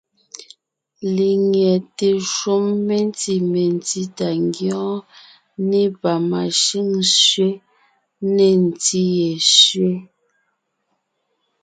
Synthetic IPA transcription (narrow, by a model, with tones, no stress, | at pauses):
li˨ŋɛ˨te˨ʃo˦mːe˦n˦ti˦˨me˨n˨ti˦ta˨ŋɡjɔ̃ː˦ | ne˦pa˨ma˨ʃi˦ŋsɥe˦ | ne˨n̩˨ti˦je˨sɥe˦